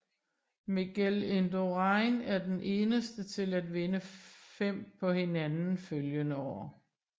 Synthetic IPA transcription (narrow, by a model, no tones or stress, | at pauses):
miɡ̥ælend̥oʁɑɪnæɐd̥enʔe̝ːnəsd̥ət͡sʰe̝læd̥ʋe̝nəfem̰pʰɒ̽he̝nænn̩føljənəɒʊ̰ɐ